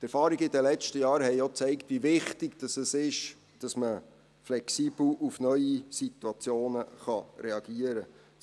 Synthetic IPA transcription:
tɛɾfɑːɾiɡɪdɛlɛt͡ʃtəjɑːɾɦɛɪot͡sɛɪktʋivɪχtɪɡd̥ɑsɛsɪʃ | d̥ɑsmə | flɛksiːb̥l̩ufnœʏisituɑt͡sjoːnəχɑɾɛɑɡ̥iəɾə

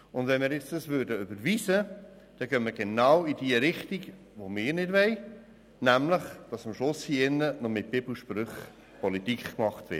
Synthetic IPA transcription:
ʊndvɛnmɪːɾjɪt͡sd̥əsvøɾdəʏbəɾviːzə | d̥ɛɡ̥œnməɡ̥enɑwid̥iəɾɪχtiɡ | ʋomɪːɾnɪdʋɛɪ | næmləχd̥ɑsɑmʃlʊshiːɪnːənɔmɪt̚b̥ɪbl̩ʃpɾʏχ | pʰɔlitikkmɑχtʋɪ̰t

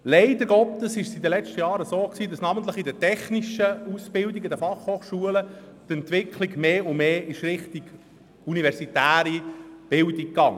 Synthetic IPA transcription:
lɛɪdəɾɡɔt̪əsɪʃsid̪əlɛt͡ʃtəjɑːɾəsoːksiːdɑsnɑmənt̪ləχɪdətɛχniʃəusb̥ɪwdiɡɪd̪əfɑχhoːχʃuələ | t̪ɛntʋɪkʰliɡmeːʊmeːʔɪʃɾɪχt̪iɡ̥ | univɛɾsitæːɾib̥ɪldikːɑŋːə

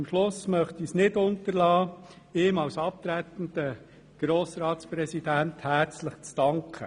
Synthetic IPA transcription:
mʃlʊsmœχtisnɪdʊnt̪əɾlɑː | ɪːmɑwsɑp̚t̪ɾæt̪ən̩d̥̪ə | ɡ̥ɾoːsɾɑːtspɾɛsid̥ænthæɾt͡sləχt͡sd̥ɑŋkʰχə̰

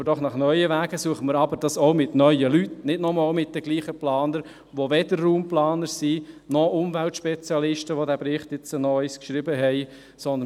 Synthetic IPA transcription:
bəɾdɔχnɑχnœʏəʋæːɡəsuəχəməɾɑbəɾd̥ɑsoʊmɪtnœʏəlytnɪdnɔmɑːlmɪt̚dɛɡliːχəplɑːnəɾ | ʋoʋɛdəːuːmplɑːnəɾsinɔʔʊmvælt̪ʃpɛt͡sjɑlɪʃtəʋodæpɾɪχt̪jɪt͡sənɔʏskʃɾɪbəɦɛɪ | sɔndə

